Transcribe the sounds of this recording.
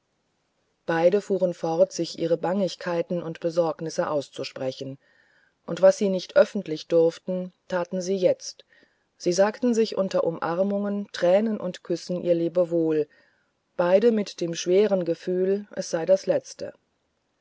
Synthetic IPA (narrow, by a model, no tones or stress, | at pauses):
b̥aɪɾəfuːʁənfɔʁtz̥ɪçʔiːʁ̞əbaŋɪçkʰaɪtn̩ʊntb̥əzɔɐknɪsəʔaʊst͡suʃpʁ̥ɛçn̩ | ʔʊntv̥asz̥iːnɪçtʔœfn̩tlɪçd̥ʊɐftn̩tʰaːtn̩ziːjɛt͡st | z̥iːzaːktn̩zɪçʔʊntɐʔʊmʔaʁmʊŋəntʁ̥ɛːnənʔʊ̰ntkʰʏsn̩ʔḭːɐleːbəvoːl | b̥aɪɾəmɪtd̥eːmʃv̥eːʁ̞ənɡəfyːlʔɛ̰sz̥aɪdaslɛt͡stə̰